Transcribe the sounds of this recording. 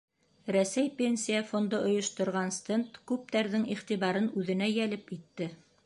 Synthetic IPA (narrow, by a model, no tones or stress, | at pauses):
ɾæsæjpʲenʲsʲijafond̪ɤʔŏjŏʃt̪ŏɾʁɑnst̪ent̪kʉp̚t̪æɾðɘŋiχt̪iβɑɾɤnʉðɘ̆næjælɘpit̪ːɘ